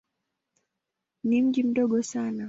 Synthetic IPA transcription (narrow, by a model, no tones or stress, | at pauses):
nim̩ʄim̩ɗɔɠɔsana